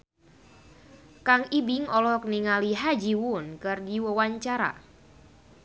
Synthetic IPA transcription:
kaŋibiŋɔlɔk̚niŋaliɦad͡ʒiwunkɨrdiwəwaɲt͡ʃaɾa̰

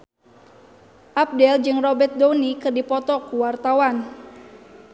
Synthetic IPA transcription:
ʔap̚dɛld͡ʒɨŋrɔbɛt̪̚donikɨrdipɔt̪ɔkuwart̪awan

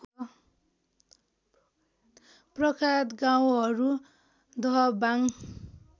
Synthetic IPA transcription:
prʌkʰat̪ɡaw̃ɦʌɾu | d̪ʱʌɦʌbaŋ

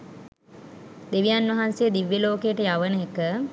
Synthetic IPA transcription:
d̪eʋijanʋɐɦansejːd̪iʋːjeloːkejːʈəjaʋənəekə

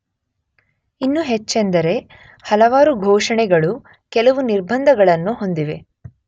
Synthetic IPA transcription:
inːuɦet͡ʃːend̪ɐɾe̞ | hɐlɐʋaːɾuɡʱoːʂɐɳɛɡɐɭu | kɛlɐʋuniɾbʱɐnd̪ʱɐɡɐɭɐnːuɦo̞nd̪iʋe̞

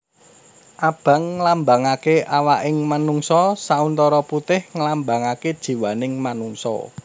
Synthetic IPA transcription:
ʔab̥a̤ŋːəlambaŋakeʔawaʔɪŋmanuŋsɔsaunt̪ɔɾɔput̪ɪhŋəlambaŋaked̥ʒ̥i̤wanɪŋmanuŋsɔ̰

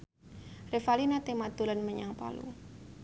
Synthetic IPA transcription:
refalinat̪emat̪ulanməɲaŋpa̰lṵ

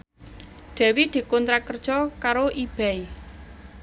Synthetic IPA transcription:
ɖ̪̥ɛ̤wid̪̥i̤kɔnt̪ɾakərd̥ʒ̥ɔkaɾoʔib̥ɛi

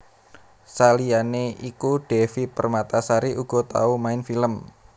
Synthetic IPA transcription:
salijaneikuɖ̥ɛfipərmat̪asaɾiʔuɡ̥ɔ̤t̪a̰umaɪnfiləm

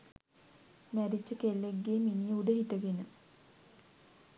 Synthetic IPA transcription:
mæɾit͡ʃːəkelːeɡːeːminijəuɖəɦit̪əɡenə

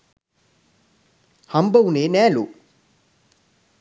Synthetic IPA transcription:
hɐmbɐwuneːnæːlu

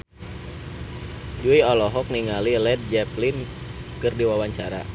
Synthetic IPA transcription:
d͡ʒuiɔlɔɦɔk̚niŋalilɛd̪̚d͡ʒɛplin | kɨrdiwawaɲt͡ʃaɾa̰

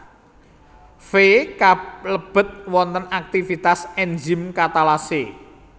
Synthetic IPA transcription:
fekaləb̥ə̤t̪̚wɔnt̪ənak̚t̪ifit̪asɛnd͡ʒimkat̪alase

